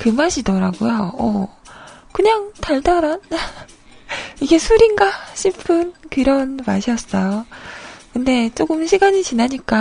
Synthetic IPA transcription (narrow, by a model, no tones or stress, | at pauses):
kɯmaɕʰidʌɾaɡujoʌ̰ | kɯɲaŋtʰaɭdʌɾan | iɡe̞sʰuɾinɡaɕʰipʰɯnkiɾʌnmaɕʰiʌs͈ʌjo | kɯnde̞t͡ɕ͈oɡɯmɕʰiɡaɲit͡ɕinaɲik͈a